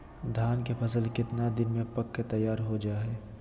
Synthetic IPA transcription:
d̪ʱaːnkepʰɐsəlkɪt̪nad̪ɪnmẽpɐkːet̪ɐjːaːɾɦod͡ʒaːɦɛː

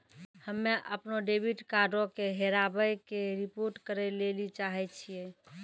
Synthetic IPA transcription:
həmːeʔəpnoɖebʱiʈkaɖokeɦeɾabəjkeɾipoɾʈkəɾɛlelit͡ʃaɦɛt͡ʃʰije

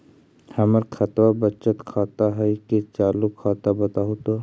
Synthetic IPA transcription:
hɐməɾkʰɐt̪wabət͡ʃət̪kʰaːt̪aɦɛiket͡ʃaːlukʰːaːt̪abɐt̪aɦot̪o

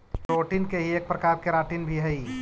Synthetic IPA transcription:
pɾoʈinkeɦieːk̚pɾəkaɾkeɾaːʈiːnbʱiɦəi

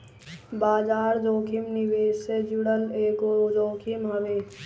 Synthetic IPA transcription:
baːd͡ʒaːɾd͡ʒoːkʰimniʋeːssed͡ʒuɽəleːɡod͡ʒoːkʰimɦɐʋe

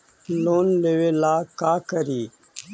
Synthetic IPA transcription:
loːnleːʋeːlaːkaːkəɾiː

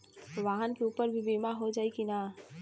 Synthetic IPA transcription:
ʋaɦənkeupəɾbʱibimaɦod͡ʒaːikina

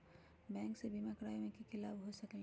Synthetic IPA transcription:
bɛ̃ːŋksebimakɾaːjõmẽkikɪlaːbɦosɐkl

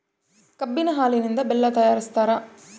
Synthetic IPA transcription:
kɐbːinɐɦaːlinind̪ɐbɛlːɐt̪ɐjaːɾist̪aːɾɐ

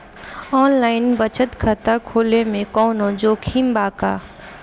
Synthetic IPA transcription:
ɔːnlaːɪnbət͡ʃʰət̪kʰət̪akʰoːlemẽkɔːnõd͡ʒoːkʰiːmbaːka̰ː

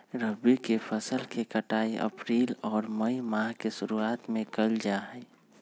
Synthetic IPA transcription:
ɾəbikepʰəsəlkekəʈaːiʔə̰pɾiːlɔːɾməimaːɦkesʊɾuaːt̪mẽkəld͡ʒaɦɛː

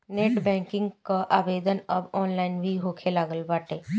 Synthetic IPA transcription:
neːʈbɛ̃ːŋkɪ̃ŋɡkaʔaːbeːd̪ənɐbɔːnlaːɪnbʱiɦoːkʰelaːɡəlbaːʈeː

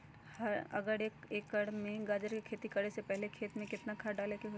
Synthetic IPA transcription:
hɐɾɐ̰ɡəɾeːkeːkːɐɽmẽɡaːd͡ʒəɾkekʰeːt̪ikɐɽesepɛɦlekʰeːt̪mẽkɪt̪nakʰaːɖaːleːkeɦo

